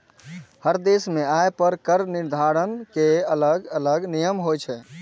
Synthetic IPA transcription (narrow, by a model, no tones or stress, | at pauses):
həɾd̪esmẽajpəɾkəɾniɾd̪ʱaɾənkeələɡələɡnijəmɦojt͡ʃʰɛ